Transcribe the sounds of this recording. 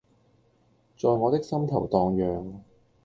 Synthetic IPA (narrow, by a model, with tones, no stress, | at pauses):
t͡ʃɔː˨˧jŋɔː˨˧t̪ɪ˥k̚sɐ˥mt̪ʰɐ˨˩wt̪ɔː˨ŋjœː˨ŋ